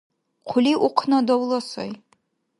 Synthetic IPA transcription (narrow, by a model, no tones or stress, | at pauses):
qʰʊliʔuqʰnɔd̪ɔwlˠɔsɔ̰j